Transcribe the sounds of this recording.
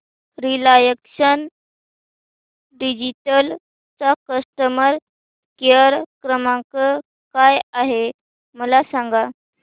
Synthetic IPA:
ɾilajəkʂən | ɖid͡ʑiʈəl | t͡sakəsʈəməɾ | kjəɾkɾəmãkə | kajaɦe | məlasãŋɡa

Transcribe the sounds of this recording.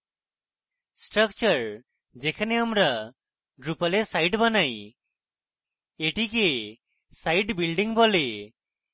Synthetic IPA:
sʈɾʌk̚t͡ʃəɾ | d͡ʒɛkʰaneamɾa | ɖɾupalesajʈbanaj | eʈike | sajʈbilɖiŋbɔle

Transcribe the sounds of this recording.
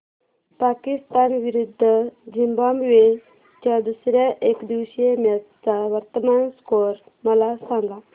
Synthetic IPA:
pakist̪anʋiɾud̪ʱːəd͡ʑimbamʋe | t̪jad̪usɾjaʔekd̪iʋɕemjat̪t͡saʋəɾt̪əmanskoɾ | məlasãŋɡa

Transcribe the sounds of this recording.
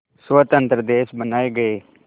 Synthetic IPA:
sʋət̪ə̃nt̪ɾəd̪eːʃbənaːeɡɐeː

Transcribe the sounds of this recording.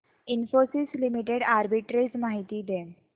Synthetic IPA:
infosislimiʈeɽaɾbiʈɾid͡zmaɦit̪iːd̪e

